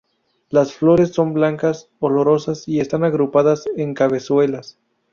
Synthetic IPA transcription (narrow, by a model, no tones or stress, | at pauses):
lasflo̞ɾe̞sːo̞mblaŋkas | o̞lo̞ɾo̞sasie̞st̪anaɣɾupaðase̞ŋkaβe̞swe̞las